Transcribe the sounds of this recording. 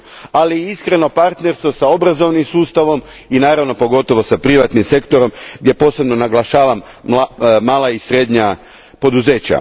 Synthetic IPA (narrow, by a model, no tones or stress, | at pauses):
aliiskɾe̞no̞paɾt̪ne̞ɾst̪ʋo̞sao̞bɾazo̞ʋnimsuːst̪aʋo̞minaːɾaʋno̞po̞ɡo̞t̪o̞ʋo̞sapɾiʋat̪nimse̞kt̪o̞ɾo̞mɡd̪je̞po̞ːse̞bno̞naɡlˠaʃaːʋam | maːlaisɾeːd̪ɲa | po̞d̪uze̞ːt͡ɕa̰